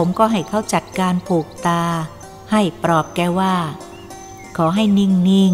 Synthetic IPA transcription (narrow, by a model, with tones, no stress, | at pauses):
pʰo˩˦mkɔː˥˩ɦa˥˩jkʰa˥˩wt͡ɕa˨˩t̪̚kaː˧npʰuː˨˩k̚t̪aː˧ | ha˥˩jpɾɔː˨˩p̚kɛː˧waː˥˩ | kʰɔː˩˦ɦa˥˩jni˥˩ŋni˥˩ŋ